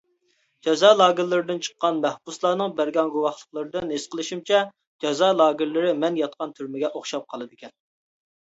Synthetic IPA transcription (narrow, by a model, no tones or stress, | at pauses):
d͡ʒɛzɑlˠɑːɡʲɪlːɪɾɪd̪ɪnt͡ʃʰə̥qːɑnmɛhbuslˠɑːnɨŋbæɾɡʲɑnɡuwɑχlˠəχlˠəɾɨd̪ɨnɦesqʰəlˠɨʃimt͡ʃʰɛ | d͡ʒɛzɑːlˠɑːɡɪɾlɪɾɪmɛnjɑt̪̚qʰɑnt̪ʰyɾmɪɡʲɛʔoχʃɑp̚qʰɑlˠɨd̪ɨkʲɛn